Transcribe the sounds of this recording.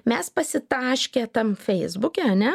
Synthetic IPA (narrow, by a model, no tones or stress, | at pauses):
mʲɛspɐsʲɪt̪ɑːʃʲkʲeːt̪ɐmfʲɛɪzbʊkʲɛɐnʲɛ